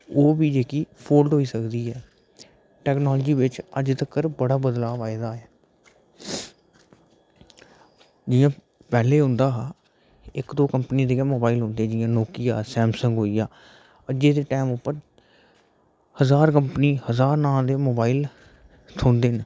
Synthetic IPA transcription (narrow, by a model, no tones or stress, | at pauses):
oːbiːd͡ʒeːkiːpʰoːlɖɦoːiːsəkd̪iːɦɛː | ʈɛːknɔːld͡ʒiːʋɪt͡ʃəd͡ʒt̪əkːəɾbəɽaːbəd̪laːʋaːɪd̪aːɛː | d͡ʒɪjãː | pɛːleːɦʊ̃nd̪aːɦː | ɪkd̪oːkəmpniːd̪eːãmoːbaːiːlɦʊ̃nd̪eːd͡ʒɪjãːnoːkiːa̰ːsɛːmsəŋɡɦoːiːaː | əd͡ʒeːd̪eːʈɛːmʊpːəɾ | həzaːɾkəmpəniːhəzaːɾnãːd̪eːmoːbaːiːl | t̪ʰõːnd̪eːn